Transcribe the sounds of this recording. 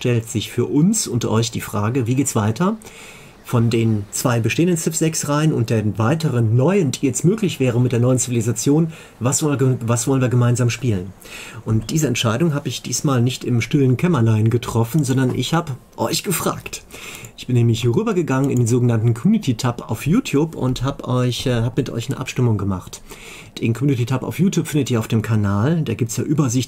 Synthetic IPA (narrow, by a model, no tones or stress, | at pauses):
ʃtɛltz̥ɪçfyːɐʔʊnsʊntʔɔ̰ʏçd̥iːfʁ̥aːɡəviːɡeːtsv̥aɪtʰɐ | fɔndeːnt͡sv̥aɪbəʃteːəndənt͡sɪfz̥ɛksʁaɪənʊnt̚d̥eːɐvaɪtəʁənːɔʏənd̥iːɛsmøːklɪçv̥ɛːʁ̞əmɪtd̥eːɐnɔʏənt͡sivilizat͡sjoːn | vasɔvasv̥ɔlən̩viːɐɡəmaɪnzaːmʃpiːlənʔʊnt̚d̥iːzəɛntʃaɪdʊŋɦaːbəɪçd̥iːsmaːlnɪçtɪmʃtɪlənkʰɛmɐlaɪnɡətʁ̥ɔfn̩zɔndɐnʔɪ̰çhaːbə | ʔɔʏçɡ̥əfʁ̥a̰ːktʔɪçb̥ɪnːɛːmlɪçhɛʁyːbɐɡəɡaŋənɪ̰ndeːnzoːɡənantn̩kʰɔmjuːnɪtʰitʰapa̰ʊfjuːtʰjuːpʊ̰nthaːbʔɔʏçhaːbəmɪtʔɔ̰ʏçnəʔa̰pʃtɪmʊŋɡəmaχt | d̥eːnkʰɔmjuːnititʰapa̰ʊfjuːtjuːpfɪndətiːɐaʊfd̥eːmkʰanaːld̥aːɡiːp̚tsjaːʔyːbɐzɪçt